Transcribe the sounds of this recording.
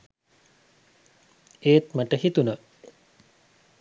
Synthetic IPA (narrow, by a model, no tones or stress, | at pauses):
eːt̪maʈəhit̪unə